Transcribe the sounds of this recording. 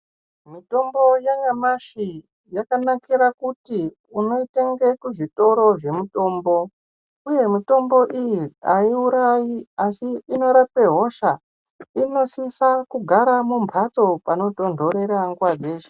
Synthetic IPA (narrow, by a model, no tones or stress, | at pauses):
mito̞mbo̞jaɲamaʃi | jakanakiɾakuti | uno̞ite̞ŋɡe̞kuʐito̞ɾo̞ʐe̞muto̞ːmbo̞ | uje̞mito̞mbo̞ʔijiaiuɾajiasiino̞ɾape̞ɦo̞ʃa | ino̞sisakuɡʱaɾamumpʰat͡so̞pano̞to̞ndʱo̞ɾe̞ɾaŋɡwad͡ze̞ːt͡ʃe̥